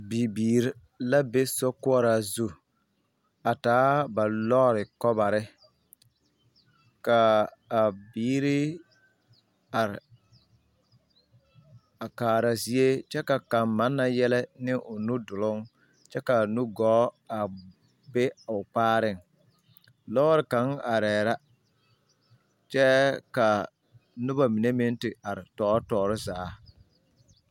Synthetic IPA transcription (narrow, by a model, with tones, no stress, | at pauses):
bi˨biː˨ɾ | la˦be˦sɔ˦kʊ˦ɔ˦ɾa˨zu˦ | a˨taː˨˦ba˨lɔː˦ɾɪ˨kɔ˦ba˨ɾɪ˦ | kaː˨ | biː˦ɾɪ˦ | a˨ɾ | a˨kaː˨ɾa˨zi˦e˦t͡ʃɛ˦ka˨ka˨mma˦nːa˨jɛ˦lɛ˦nɪ˦ʔʊ˨nu˦dʊ˨lʊ˦ŋ | t͡ʃɛ˦ka˨nu˦ɡɔː˨˦ | a˨ | be˦˨ʊ˨k͡paː˦ɾɪ˦˨ŋ | lɔː˦ɾɪ˨ka˨˦ŋa˨ɾɛː˨ɾa˦ | t͡ʃɛ˦ka˨ | nʊ˦ba˨mi˨ne˦mɪ˦n˦tɪ˨a˨ɾɪ˨tɔː˨˦ɾtɔː˨ɾɪ˦zaː˨˦